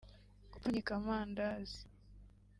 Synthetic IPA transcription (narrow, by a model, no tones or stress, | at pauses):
kupuɲikamaːndazi̥